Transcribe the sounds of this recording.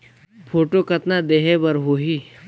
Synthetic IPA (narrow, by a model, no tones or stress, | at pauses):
pʰoːʈokɐt̪nad̪eːɦebɐɾɦoːɦiː